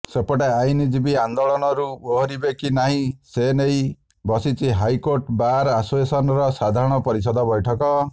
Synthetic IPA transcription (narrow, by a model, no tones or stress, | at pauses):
sepɔɽeajnid͡ʒibiand̪ɔɭɔnɔɾuboɦɔɾibekinaɦĩsenej | bɔsit͡ʃʰiɦajkoɾʈbaɾasesɔnɔɾɔsad̪ʱaɾɔɽ̃ɔpɔɾis̬ɔd̪ʱɔbɔjʈʰɔkɔ